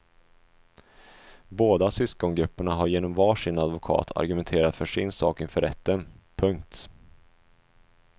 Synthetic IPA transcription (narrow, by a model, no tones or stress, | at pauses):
boːd̪asʏskɔŋɡɾɵpːəɳaɦaɾjeːnɔmvɑːʂɪnad̪vʊkʰɑ̰ːt̪ʰa̰ɾɡɵmɛnt̪ʰeːɾat̪fœʂɪnsɑːkɪnfœɾɛt̪ʰːənpʰɵŋk̚t̪